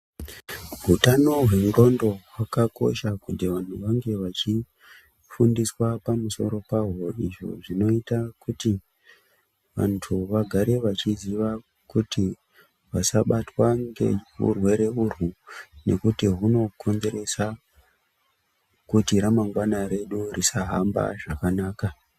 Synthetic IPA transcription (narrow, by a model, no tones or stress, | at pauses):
ɦutano̞ɦwemro̞ndo̞ɦwakako̞̰ʃakutiʋan̤uʋaŋɡe̞ʋat͡ʃi | fundiswapamuso̞ɾo̞paɦo̞iʐo̞̰ʐino̞itakuti | ʋa̰ntʰuʋaɡʱaɾe̞ʋat͡ʃiziʋa | kuti | ʋasaɓatwaŋɡe̞̰ɦṵrwe̞ɾe̞urwune̞̰kutiɦuno̞kʰo̞nze̞ɾe̞sa | kutiɾamaŋɡwanaɾe̞ɗurisaɦa̰mba̰ʐakanaːka